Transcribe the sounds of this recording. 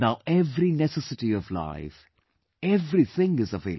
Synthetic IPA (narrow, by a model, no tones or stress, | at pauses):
naʊʔɛvɹinɛsɛsɨtiʌvla̰ɪf | ɛvɹiθɪ̃ŋɨzəveɪ